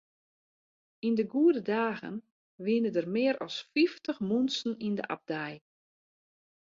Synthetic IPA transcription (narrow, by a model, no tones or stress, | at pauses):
indəɡuədədaːɣə̰n | ʋɪnədərmɪːəɾʔɔ̰sfiftəχmunsn̩ində̰ʔa̰b̚dɛj